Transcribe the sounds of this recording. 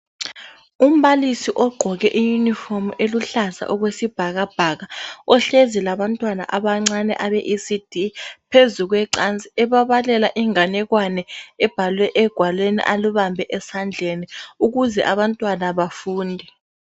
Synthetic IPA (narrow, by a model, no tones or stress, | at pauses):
um̩βalisiʔɔɡ͡ǃʱɔɣɛʔijunifɔmeluɬasa̰ʔɔɣwesib̥ʱaɣab̥ʱaɣaɔɬezilaβantʼwana̰ʔaβaŋ͡ǀanɛ̰ʔaβɛʔisid̥ʱipʰezuɣwɛǀant͡sʼiɛβaβalɛlaʔiŋanɛɣwanɛɛb̥ʱalwɛʔɛɡ̥ʱwalwenḭʔaluβambʱɛʔɛsand͡ɮʱeniuɣuzɛ̰ʔaβantʼwanaβafuːndʱɛ